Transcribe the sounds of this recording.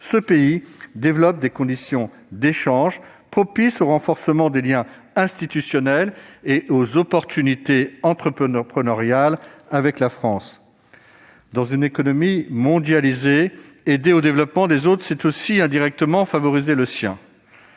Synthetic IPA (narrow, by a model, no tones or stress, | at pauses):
səpeid̪evlɔp̚d̪ekɔ̃d̪isjɔ̃ | d̪eʃɑ̃ʒ | pχɔpisoʁɑ̃fɔʁsəmɑ̃d̪eljɛ̃ | ɛ̃st̪it̪ysjɔnɛleʔozɔpɔʁt̪ʰynit̪eɑ̃t̪χəpəpχənaʁjalavɛklafχɑ̃s | d̪ɑ̃zynekɔnɔmimɔ̃d̪jalize | ed̪eod̪evlɔpmɑ̃d̪ezot̪χsɛt̪osiɛ̃d̪iʁɛk̚t̪əmɑ̃favɔʁizeləsjɛ̰̃